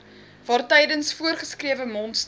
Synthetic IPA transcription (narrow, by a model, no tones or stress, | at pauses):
vɑːrtɛjdənsfuərχəskriəvəmɔnts